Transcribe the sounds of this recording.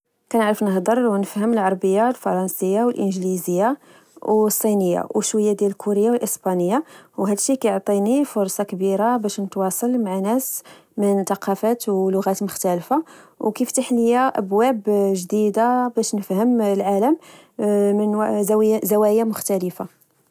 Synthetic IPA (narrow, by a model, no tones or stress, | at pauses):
kænəʕɾəfnəɦd̪əɾˤwnəfhəməlʕɑɾˤbəjːalfɑɾˤɑnsəjːawəlʔənʒlizəjːa | wsˤːinəjːa̰wəʃwəjːad̪jæləlkʰuɾəjːawəlʔəsbɑnəjːawɦæd̪ʃikæjoʕt̪ˤinifʊɾˤsˤɑkəbiɾabæʃnət̪wɑsˤɑlmaʕanæsmənt̪ɑqɑfæt̪wlʊɣæt̪mʊxt̪ælfawkift̪aħləjaʔæbwæbʒd̪id̪abæʃnəfhəmlʕaləm | mən | zæwæjamʊxt̪æləfa